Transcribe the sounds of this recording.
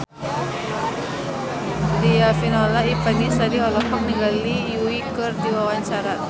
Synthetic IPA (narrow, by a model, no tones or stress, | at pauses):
diafinɔlaipanisadiɦɔlɔkɔŋ̚niŋɡalijuikɨrdiwawaɲt͡ʃaɾa